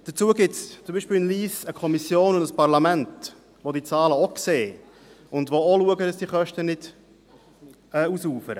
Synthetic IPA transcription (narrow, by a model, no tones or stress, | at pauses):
d̥ət͡suːəɡɪtst͡sʊmbiːʃpɪlnliːsəkʰɔmisjoːnʊndəspɑʁlɑmɛnt | ʋodiːt͡sɑːləokseː | ʊndʋooluəɡədɑsd̥iːχœʃtənɪd̥ | ɛːusuːfəɾə